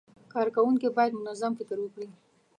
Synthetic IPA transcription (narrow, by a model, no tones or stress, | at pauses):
kɑɾkawuŋkibɑjad̪mʊnazamfɪkəɾwəkɽi